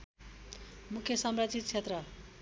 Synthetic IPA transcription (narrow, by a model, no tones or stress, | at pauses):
mukʰjʌsʌmrad͡zit̪̚t͡sʰet̪rʌ